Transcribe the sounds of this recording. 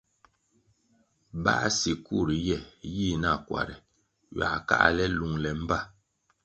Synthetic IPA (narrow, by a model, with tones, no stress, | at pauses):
ba̰˦˨˦si˨ku˦˨ɾi˨jɛ˦˨ji˦na˦˨kwa̰˨ɾɛ˨ | ɥa̰˨ka̰˦ʔlɛ˦lu˨ŋlɛ˨m̩˦ba˦˨